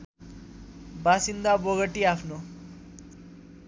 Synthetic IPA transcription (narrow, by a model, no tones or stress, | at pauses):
basind̪abʌɣʌʈiapʰno